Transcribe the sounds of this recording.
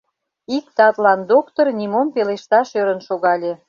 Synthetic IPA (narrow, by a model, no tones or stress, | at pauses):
ik̚t̪ɑt̪lɑnd̪okt̪ornʲimompeleʃt̪ɑʃøɾənʃoɣɑlʲĕ